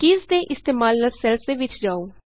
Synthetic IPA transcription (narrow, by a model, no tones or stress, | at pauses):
kɪzd̪eːʔɪst̪eːmaːlnəlsɛlseʋɪt͡ʃd͡ʒaːoː